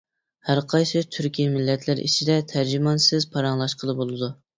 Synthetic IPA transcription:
hæɾqʰɑjsɨt̪ʰyɾkʲijmɪlːɛt̪ʰlɪɾḭt͡ʃʰid̪ɛt̪ʰæɾd͡ʒimɑnsɪzpʰɑɾɑŋlˠɑʃqʰəlˠɨbolˠɨd̪u

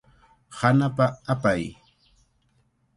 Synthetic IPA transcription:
hanapaapaj

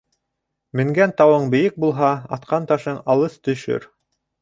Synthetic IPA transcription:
mɘ̆ŋɡænt̪ɑwɤɴbɘ̆jɘk̚bulˠɦɑɑt̪qɑnt̪ɑʃɤɴɑlˠɤst̪ɵ̆ʃɵ̰ɾ

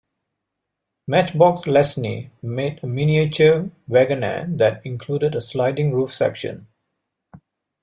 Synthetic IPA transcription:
mæt͡ʃbɔkslɛsnḭmeːdəminiet͡ʃəʋæɡənə̰d̪ætɪ̃ŋkʰluːdədəslaɪdɪ̃ŋɹuːfsɛ̰kʃə̰̃n

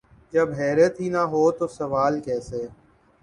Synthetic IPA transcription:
d͡ʒəbɦɛːɾet̪iːnaɦoːt̪oːsəʋaːlkɛːseː

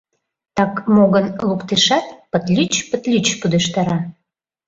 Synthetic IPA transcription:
t̪ɑkmoɣənlukt̪eʃɑt̪̚pət̪lʲyt͡ɕpət̪lʲyt͡ɕpud̪əʃt̪ɑɾɑ

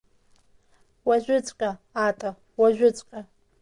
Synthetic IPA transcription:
waʒᶣʷʊt͡sʷʼkʲʼaatʼa | waʒᶣʷʊt͡sʷʼkʲʼa

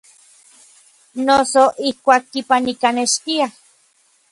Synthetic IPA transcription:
nosoʔihkʷaːkːipanikaneʃt̪ia

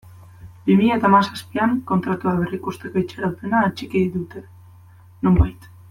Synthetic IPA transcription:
bimiʎat̪amasaspiaŋko̞nt̪ɾat̪uaβerikust̪ekajt͡ʃeɾawt̪enaːt͡ʃikiðit̪ut̪e | nombajt̪

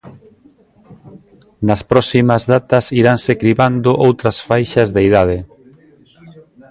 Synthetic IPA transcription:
nɐspɾɔsimɐzðat̪ɐsiɾansekɾiβand̪ʊʔowt̪ɾɐsfajʃɐzðeiðað̞e

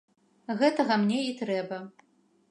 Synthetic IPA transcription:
ɣɛt̪ɐɣɐmnʲɛit̪ɾɛbɐ

